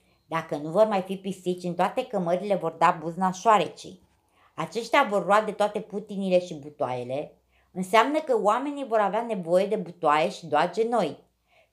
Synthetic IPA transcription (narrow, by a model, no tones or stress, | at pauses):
d̪akən̪uvo̞rmajfipist̪it̪sʲɨnt̪oat̪e̞kəməɾile̞vo̞rd̪abuznaʃoaɾet͡ʃḭ | at͡ʃe̞ʃt̪eavo̞rlːuad̪e̞t̪oat̪e̞put̪inile̞ʃibut̪oa̰je̞le̞ | ɨnseamnəkəwame̞nijvo̞ɾaveane̞vo̞je̞d̪e̞but̪wae̞ʃid̪oad͡ʒe̞no̞j